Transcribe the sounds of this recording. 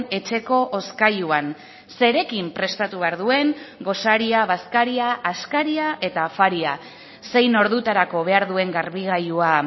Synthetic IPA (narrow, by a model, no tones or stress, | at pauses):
e̞t͡ʃe̞ko̞ʔoskajuan | se̞ɾe̞kimpɾe̞st̪at̪uβe̞aɾðue̞ŋɡo̞saɾiaβaskaɾiaʔːskaɾiaʔe̞t̪afaɾia | se̞jno̞ɾðut̪aɾako̞βe̞aɾðue̞ŋɡaɾβiɣ̞ajua